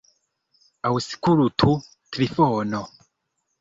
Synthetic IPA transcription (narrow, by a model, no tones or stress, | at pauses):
awusi̥kuɾutʰu | tɾifoːno